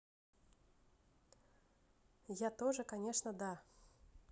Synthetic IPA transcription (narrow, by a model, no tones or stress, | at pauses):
jat̪ɔʐɨkanʲɛʂnɐd̪a